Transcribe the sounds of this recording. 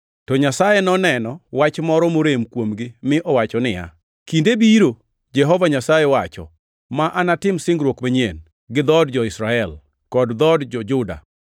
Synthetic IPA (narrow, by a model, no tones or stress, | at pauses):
tɔɲasajenɔnɛnɔwat͡ʃmɔɾɔmoɾemkwomɡɪmɪʔɔwat͡ʃɔnɪja̰ | kindebiɾo | d͡ʒɛɦɔvaɲasajɛwat͡ʃɔ̰ | maʔanatɪmsɪŋɡɾwokmaɲen | ɡɪd̪ɔdd͡ʒɔɪsɾaɛl | kɔdd̪ɔdd͡ʒɔd͡ʒʊda̰